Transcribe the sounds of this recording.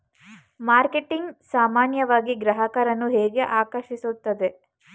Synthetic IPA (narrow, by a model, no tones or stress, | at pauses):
maːɾkeʈiŋɡsaːmaːnjɐʋaːɡiɡɾɐɦɐkɐɾɐnːuɦeːɡe̞ʔaːkɐɾʃisut̪ːɐd̪e̞